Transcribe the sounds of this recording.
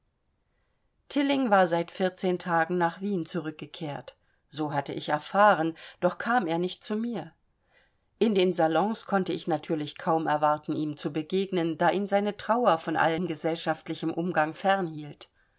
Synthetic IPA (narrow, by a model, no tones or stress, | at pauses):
tʰɪlɪŋvaːɐzaɪtfɪɐt͡seːntʰaːɡŋ̩naːχv̥iːnt͡suʁʏk̚ɡ̥əkʰeːɐt | z̥oːɦatəʔɪçɛɐfaːʁənd̥ɔχkʰaːmeːɐnɪçt̚t͡sumiːɐ | ʔɪndeːnzalɔ̃ŋskʰɔntəɪçnatʰyːɐlɪçkʰaʊmɛɐvaɐtn̩iːmt͡subəɡeːɡnəndaːʔiːnzaɪnətʁ̥aʊɐfɔnʔa̰ləmɡəzɛlʃaftlɪçəmʔʊmɡaŋfɛʁnhiːlt